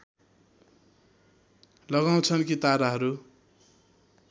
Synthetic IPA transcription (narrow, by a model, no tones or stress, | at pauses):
lʌɣaw̃t͡sʰʌnkit̪aɾaɦʌɾu